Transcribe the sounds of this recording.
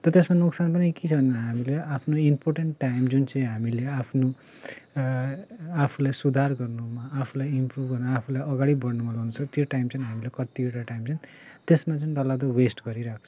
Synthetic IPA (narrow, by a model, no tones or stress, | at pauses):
t̪ʌt̪esmanuksanpʌnikit͡sʰʌbʱʌnenɦamileapʰnoimporʈeɳʈʈːajmd͡zunt͡sʌĩɦamileapʰno | apʰulajsud̪ʱarɡʌrnumaːpʰulajimprubʱɡʌrnaapʰulajʌɡaɽibʌɽnumʌluɦunt͡sʰʌt̪joʈajmt͡sʌniɦamilekʌt̪ieʈaʈajmt͡sʌni | t̪esmat͡sʌñd̪ʌlad̪ʌwesʈɡʌɾiɾakʰt͡sʰʌ̥